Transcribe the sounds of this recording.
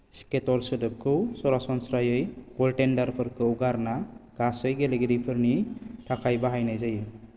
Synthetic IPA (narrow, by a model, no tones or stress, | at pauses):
sketɔɾsɯdɯp̚kʰɯwsɔɾasɔnsɾajɯjkɔlʈendaɾpʰɯɾkʰɯɔɡaɾnaɡ̥asɯjɡeleɡiɾipʰɯɾnit̪ʰakʰajbaɦajnajzajɯ